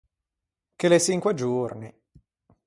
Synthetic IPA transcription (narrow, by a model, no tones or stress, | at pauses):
kelet͡ʃiŋkwed͡ʒurni